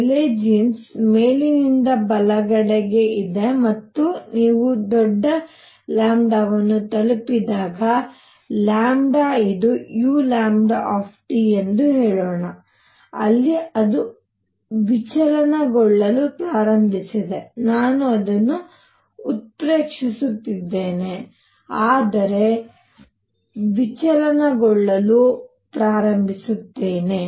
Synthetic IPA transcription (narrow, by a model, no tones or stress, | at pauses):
leːd͡ʒinsmeːlinind̪ɐbɐlɐɡɐɽeɡe̞id̪e̞mɐt̪ːuniːʋud̪ɔɖːɐ | laːmɖɐʋɐnːut̪ɐlupid̪aːɡɐ | laːmɖaid̪ujuːlaːmɖaːpʰʈiend̪uɦeːɭɔːɳɐ | ɐ̰lːiɐd̪u | ʋit͡ʃɐlɐnɐɡɔɭːɐlupɾaːɾɐmbʱisid̪e̞naːnuɐd̪ɐnːuː | t̪̚pɾe̞ːkʂisut̪ːid̪ːe̞ːne̞ | aːd̪ɐɾe̞ | ʋit͡ʃɐlɐnɐɡɔɭːɐlu | pɾaːɾɐmbʱisut̪ːe̞ːne̞